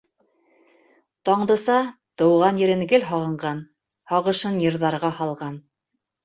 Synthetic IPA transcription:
t̪ɑɴd̪ɤ̆sɑ | t̪ɤ̆wʁɑnjɘ̆ɾɘŋɡɘlɦɑʁɤ̆ɴɢɑn | hɑʁɤ̆ʃɤnjɤ̆ɾðɑɾʁɑhɑlˠʁɑn

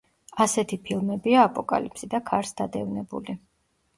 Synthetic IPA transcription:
asɛt̪ʰipʰilˠmɛbiaːpʼɔkʼa̰lipʰsid̪akʰaɾsd̪ad̪ɛvnɛbṵli

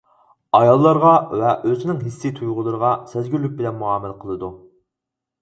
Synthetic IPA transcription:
ɑjɑlˠːɑɾʁɑvɛʔøzɪnɪŋɦisːɪt̪ʰujʁʊlˠɨɾəʁɑsæzɡʲylyk̚bɪlɛnmuɑːmɪləqʰəlˠɨd̪u

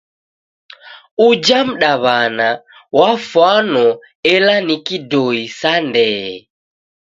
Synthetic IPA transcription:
ud͡ʒam̩ɗaβana | wafwanɔ | ɛlanikidɔisandɛɛ

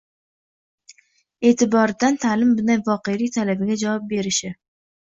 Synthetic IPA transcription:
e̞ːt̪ʰɪbɒɾɪd̪ant̪ʰalɪmbɪnajvɒqe̞lijt̪ʰalabɪɡʲad͡ʒavɒp̚be̞ɾɪʃɪ

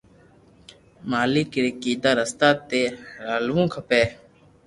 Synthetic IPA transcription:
maːliːkɪɾekiːd̪aːɾəst̪aːt̪eːɾaːlʋũːkʰəpeː

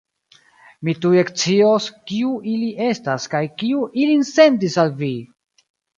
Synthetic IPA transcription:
mituekt͡sioskiuʔiliʔe̞staskajkiuʔilinse̞nt̬isalvi

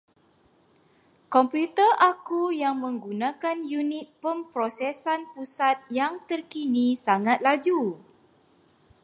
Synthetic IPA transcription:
kɔmput̪əʔakujaŋmə̃ŋɡunãkanjunɪ̃t̪̚pəmpɾosɛsanpusat̪̚jaŋt̪ərkinĩsaŋãt̪̚lad͡ʒu

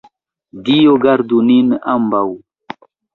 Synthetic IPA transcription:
dijoɡaɾd̪uninambaw

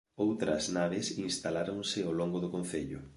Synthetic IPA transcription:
owt̪ɾɐ̰znaβ̞esinst̪alaɾõŋsɪoloŋɡoðʊkõn̟θeʎʊ̰

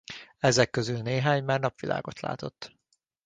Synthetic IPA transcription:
ɛzɛkːøzylneːɦaːɲmaːrnɒpʋilʔa̰ːɡo̞t̪la̰ːt̪o̞t̪ː

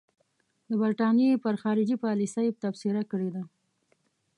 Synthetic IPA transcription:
d̪əbaɾʈɑnepəɾxɑɾɪd͡ʒipɑlisəjpt̪afseɾakəɽed̪a

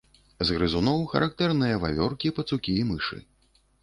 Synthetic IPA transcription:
zɣɾɨzunɔwxɐ̰ɾʔakt̪ɛrnɨjɐva̰vʲɔrkʲipɐt̪sukʲiːmɨʂɨ̰

